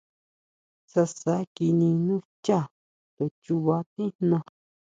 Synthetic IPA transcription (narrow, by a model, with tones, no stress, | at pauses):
sa˧sa˧˦ki˧nĩ˧nũ˦t͡ʃa˦˨ | t̪o˨t͡ʃu˧βa˧t̪ĩ˦nã˧